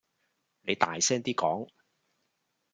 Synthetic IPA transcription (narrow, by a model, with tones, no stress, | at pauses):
ne˨˧jt̪aː˨jsɛː˥ŋt̪iː˥kɔː˨˥ŋ